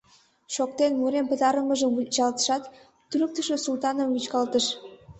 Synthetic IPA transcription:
ʃok̚t̪enmuɾempə̆t̪ɑɾəməʒəmut͡ɕɑlt̪ə̥ʃɑt̪ː | ynək̚t̪əʃəsult̪ɑnəmit͡ɕkɑlt̪əʃ

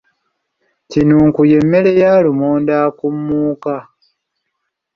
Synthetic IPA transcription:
cinuːŋkuje̞mːe̞le̞jaːlumoːndaːkumːuːka

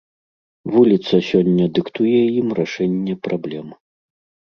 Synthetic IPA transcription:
vulʲit̪sɐsʲɔnʲːɐd̪ɨkt̪ujɛjimraʂɛnʲːɛpɾablʲɛm

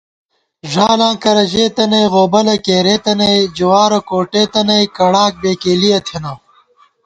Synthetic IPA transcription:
ʐaːlãːkɐɾɐʑeːt̪ɐnɐjɣoːbɐlɐkeːɾeːt̪ɐnɐjd͡ʑuwaːɾokoːʈeːt̪ɐnɐjkɐɽaːk̚beːkeːliɐt̪ʰjɐna

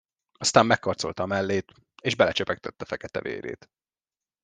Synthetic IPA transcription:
ɒst̪aːmːɛkːɒrt̪so̞̰lt̪ɒːmɛlːeːt̪ | eːʒbɛlɛt͡ʃøpɛk̚t̪ɛt̪ːɛfɛkɛt̪ɛ̰vḛːɾḛːt̪

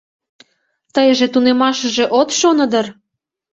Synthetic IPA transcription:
t̪əjəʒĕt̪unemɑʃə̆ʒĕʔot̪ʃonə̆d̪ər

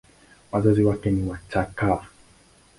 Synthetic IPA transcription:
wazaziwakɛniwat͡ʃaka

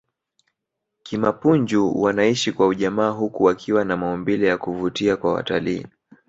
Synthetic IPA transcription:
kimapuɲd͡ʒuwanaiʃikwauʄamaːɦukuwakʰiwanamaɔmbilɛjakuvutiakwawa̰talḭː

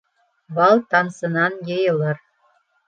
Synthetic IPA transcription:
βɑlˠt̪ɑnsɤ̆nɑnjejɤ̆lɤ̆r

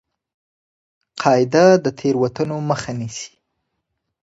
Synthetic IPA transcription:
qʰɑɪd̪ad̪ət̪ʰeɾwat̪ənoməxanisi̥

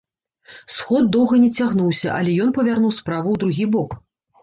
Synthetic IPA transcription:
sxɔd̪̚ːɔwɣɐnʲɛt͡sʲaɣnuwsʲɐ̰ʔɐ̰lʲɛjɔn̪pɐvʲarnuwspɾavuwd̪ɾuɣʲibɔk

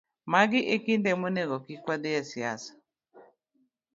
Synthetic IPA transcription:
maɡɪʔekindɛmoneɡɔkikwad̪ɪjasiasḁ

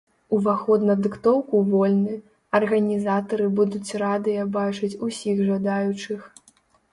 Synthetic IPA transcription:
uvaxɔd̪nɐd̪ɨkt̪ɔwkuvɔlʲnɨ | ɐrɣɐnʲizat̪ɐɾɨbud̪ut͡sʲrad̪ɨjɐbat͡ʂɐt͡sʲusʲiɣʐɐd̪ajut͡ʂɨx

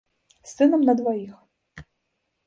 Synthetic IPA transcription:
sɨnɔmnɐd̪ʋɔjix

